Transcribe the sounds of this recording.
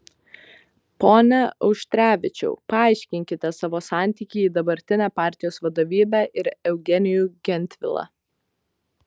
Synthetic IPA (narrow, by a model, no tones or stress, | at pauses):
poːnʲɛʔɐʊʃʲt̪ʲɾʲæːʋʲɪt͡ʃʲɛ̰ʊpɑˑɪʃʲkʲɪŋʲkʲɪt̪ʲɛsɑːʋoːsɑˑnʲt̪ʲiːkʲiːd̪ɐbɐɾʲt̪ʲɪnʲæːpɑːˑɾʲt̪ʲɪjoːsʋɐd̪oːʋʲiːbʲæʔɪɾɛʊɡʲɛnʲɪjuɡʲɛnʲt̪ʲʋʲɪ̰lˠɐ̰